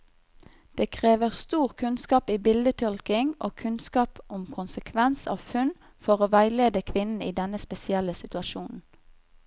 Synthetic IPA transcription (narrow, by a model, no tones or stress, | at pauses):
d̪̥eːkʰʁeːʋəʁst̪uːʁkʰʉnskɑːpiːbɪld̪ət̪ʰɔlkɪŋʔo̰ːkʰʉnskɑːpʔʊmkʰʊnsəkʰʋɛnsɑ̰ːʋfʉn | fɔʁoːʋæɪleːd̪əkʰʋɪnn̩iːd̪ɛnəspɛsɪɛləsɪt̪ʉɑʃuːnn̩